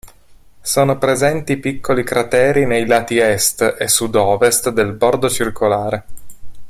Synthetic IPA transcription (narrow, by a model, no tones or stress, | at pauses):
soːnopɾezɛnt̪ipikʰːolikɾat̪ɛːɾinejlaːt̪iɛst̪esːud̪ɔːvest̪d̪elbord̪ot͡ʃirkʰolaːɾe